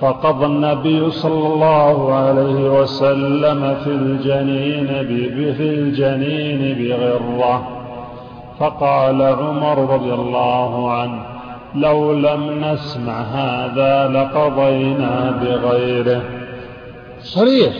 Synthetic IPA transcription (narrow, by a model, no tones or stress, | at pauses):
fɑqɑd̪ˤɑnːabɪjːʊsˤɑlːɑlˤːɑːhʊʕalajhɪwasalːamafild͡ʒaniːnɪbfild͡ʒaniːnɪbɪɣɪɾːa | fɑqɑːlaʕʊmɑɾˤɾˤɑd̪ˤɪjalˤːɑːhʊʕan | lawlamnasmaʕɦaːðaːlɑqɑd̪ˤɑjnaːbɪɣajɾɪh | sˤɑɾiːħ